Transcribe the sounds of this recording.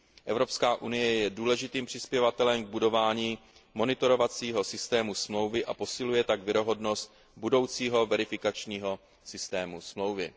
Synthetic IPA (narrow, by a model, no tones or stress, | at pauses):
ʔɛvɾo̞pskaːʔunɪjɛjɛduːlɛʒɪt̪iːmpr̝̥ɪspjɛvat̪ɛlɛmɡ̚budo̞vaːɲiː | mo̞nɪt̪o̞ɾo̞vat͡siːɦo̞sɪst̪ɛːmusmlo̞wvɪʔapo̞sɪlujɛt̪aɡvɪɾo̞ɦo̞dno̞st̪̚ | budo̞wt͡siːɦo̞vɛɾɪfɪkat͡ʃɲiːɦo̞ | sɪst̪ɛːmusmlo̞wvɪ